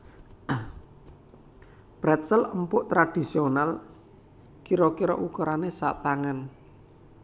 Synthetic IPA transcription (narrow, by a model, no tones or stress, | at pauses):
b̥ɾɛt̪sələmpʊʔt̪ɾad̥i̤sional | kiɾɔkiɾɔ̰ʔukɔɾanesa̰ʔt̪aŋən